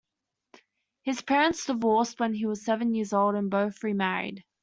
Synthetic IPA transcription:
hɪz̥pʰɛːɹə̃ntsd̥ɪvɔˑs̚wə̃niwɒz̥sɛvə̃njɪəzoʊlˠɾə̃nbəʊθɹimæɹḭd̥

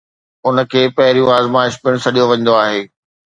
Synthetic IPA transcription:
ʊnə̆kʰeːpɐɦɪɾijũaːzmaːɪʃpɪɽ̃sɐɗijoʋɐ̃ɲ̃nd̪oaːɦeː

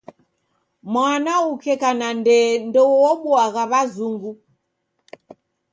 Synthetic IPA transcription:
mwanaukʰɛkanandɛndɔwɔwɔɓuaɣaβazuŋɡu

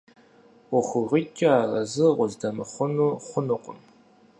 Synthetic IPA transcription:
ʊχʷʊʁit͡ʃʲʼaaːrɐzɨʁʷʊzdɐmɨχʷʊnuχʷʊnɨqʷʼʊm

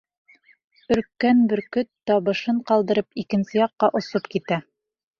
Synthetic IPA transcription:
ɵ̆ɾkːænbɘɾkɵt̪ːɑβɤ̆ʃɤɴqɑlˠd̪ɤ̆ɾɤpikɘ̆nsɘjɑqːɑʔŏsopkit̪æ

